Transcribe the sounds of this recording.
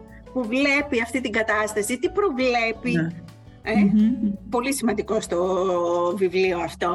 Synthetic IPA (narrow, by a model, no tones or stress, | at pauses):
puvle̞piɐft̪it̪iŋɡɐt̪ɐst̪ɐsit̪ipɾo̞vle̞pi | epo̞lisimɐnd̪iko̞st̪o̞ | vivlioɐft̪o